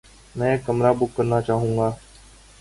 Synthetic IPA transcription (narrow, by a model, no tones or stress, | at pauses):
mɛ̃ːekːəmɾaːbʊkːəɾnaːt͡ʃaːɦũːŋɡaː